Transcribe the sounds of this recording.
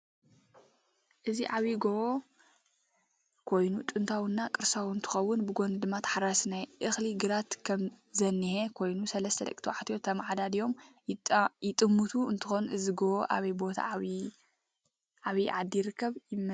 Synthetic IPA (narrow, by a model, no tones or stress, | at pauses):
ʔɨziʕaβiɡoʔo | kʰo̞jnut̪ʼɨnt̪ʰawɨnːakʼɨɾsawɨnt̪ʰɨ̥xɐwːʊnbɨɡo̞nɨd̪ɨmːat̪ʰħaɾasnajʔɨxliɡɨɾat̪kʰɐmzɐnːihekʰo̞jnusɐlɐst̪ʰɐd̪ɐ̰kʼt̪ʰiwʕat̪ʰijo̞t̪ʰɐmʕad̪ad̪ijo̞m | jɪt̪ʼɨmːut̪ʰuɨnt̪ʰɨxo̞nʔɨziɡoʔoʔa̰βɐjbo̞t̪ʰa̰ | ʔaβiʕad̪ːiɾɨkʰːɐβjɪmː